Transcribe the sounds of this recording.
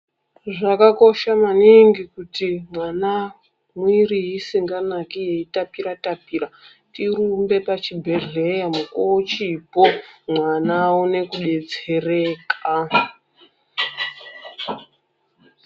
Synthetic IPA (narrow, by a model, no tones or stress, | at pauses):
ʐakako̞ʃamaniŋɡikutimwana | mwirijisiŋɡanakije̞itapiɾatapiːɾa | tiɾumbe̞pat͡ʃibʱe̞ɮe̞jamukot͡ʃipo̞mwanawune̞kuɗe̞t͡se̞re̞ːka